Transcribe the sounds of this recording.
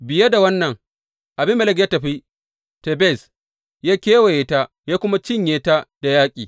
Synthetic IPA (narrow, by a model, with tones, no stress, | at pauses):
bɪ˨je˦da˨wɐ˦nːɐ˨ŋ | ʔa˨bɪ˦mːɛ˦˨lɛ˦k̬ja˦tɐ˨ɸi˦ | te˨bɛ˦˨s | jaː˦kʲeː˦wa˨je˨ta˦ | jaː˦kʷʊ˦ma˦t͡ʃɪ˦ɲjeː˦ta˦d̥a˨jaː˦kʲʼḭː˨